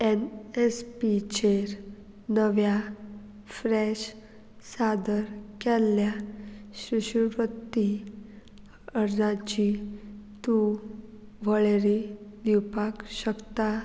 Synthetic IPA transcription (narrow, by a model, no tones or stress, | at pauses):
enespit͡ɕeɾ | nəʋja | fɾɛɕ | sad̪əɾkɛlːjaɕɾiɕuɾət̪ːi | əɾd͡zãt͡ɕit̪u | ʋəɭeɾid̪iwpakɕəkt̪a